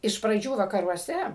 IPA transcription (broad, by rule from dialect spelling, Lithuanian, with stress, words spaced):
ɪʃ prɐˈd͡ʒʲuː ʋɐkɐruɔˈsʲɛ